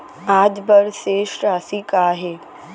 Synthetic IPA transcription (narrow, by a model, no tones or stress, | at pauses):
aːd͡ʒbəɾseʃɾaːsikaːɦe